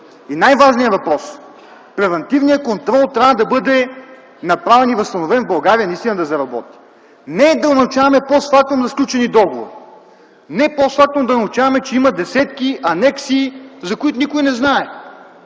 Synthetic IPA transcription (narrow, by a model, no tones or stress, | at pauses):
inajvaʒnijəvɐpɾɔs | pɾɛvɐnt̪ivnijəkont̪ɾɔlˠt̪ɾʲavɐd̪ɐbɤd̪ɛ | nɐpɾavɛnivɐst̪ɐnovɛnvbɐlˠɡaɾiənɐist̪inɐd̪ɐzɐɾɐbɔ̰t̪i̥ | nɛd̪ɐnɐut͡ʃavɐmɛpost̪fak̚t̪omzɐsklʲut͡ʃɛnid̪ɔɡovo̰ɾi | nɛposfak̚t̪ond̪ɐnɐut͡ʃavɐmɛt͡ʃɛimɐd̪ɛsɛt̪kiʔɐnɛksiːzɐkʊit̪ʊnikojnɛznaɛ